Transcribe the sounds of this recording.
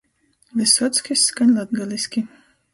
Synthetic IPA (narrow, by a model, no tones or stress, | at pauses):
lʲɨsɔt̪skʲisːkanʲlˠad̪ɡalʲˠisʲkʲi